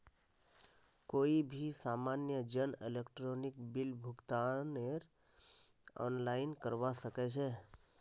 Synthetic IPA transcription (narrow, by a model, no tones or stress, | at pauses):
koːibʱisaːmaːnjəd͡ʒənɪlekʈɾɔːnɪkbɪlbʱʊɡt̪aneɾ | ɔ̰ːnlaːɪnkəɾʋasəket͡ʃʰe